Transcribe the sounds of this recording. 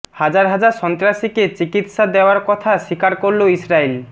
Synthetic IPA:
had͡ʑaɾɦad͡ʑaɾʃɔnt̪ɾaʃiket͡ɕikit̪ʃad̪eoaɾkɔt̪ʰaʃikaɾkoɾloisɾail

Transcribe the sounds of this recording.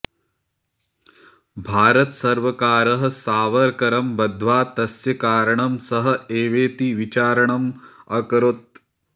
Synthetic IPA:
bʱaːɾɐt̪sɐɾʋɐkaːɾɐɦɐ̆saːʋɐɾkɐɾɐmbɐd̪ʱʋaːt̪ɐsjɐkaːɾɐɳɐmsɐɦɐ̆eːʋeːt̪iʋit͡ʃaːɾɐɳɐmɐkɾot̪̚

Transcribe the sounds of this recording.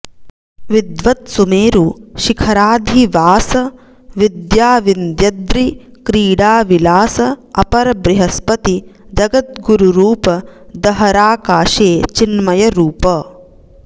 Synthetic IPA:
ʋid̪ʋɐt̪sumeːɾuʃikʰɐɾaːd̪ʱiʋaːsɐ | ʋid̪jaːʋind̪jɐd̪ɾikɾiːɽaːʋilaːsɐɐpɐɾɐbɾiɦɐspɐt̪id͡ʒɐɡɐt̪̚ɡuɾuɾuːpɐd̪ɐɦɐɾaːkaːʃeːt͡ʃinmɐjɐɾuːpɐ

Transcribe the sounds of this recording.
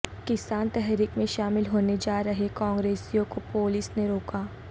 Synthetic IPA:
kɪsaːnt̪ɛɦɾikmẽʃaːmɪlɦoːned͡ʒaːɾɐɦekɔ̃ːŋɡɾeːsijõkopoːlɪsneɾoːkaː

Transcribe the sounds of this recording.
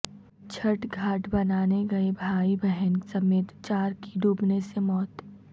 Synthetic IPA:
t͡ʃʰɐʈɡʱaːʈbɐnaːneɡɐebʱaːibɛɦənsɐmeːt̪t͡ʃaːɾkiɖʱuːpnesemɔːt̪

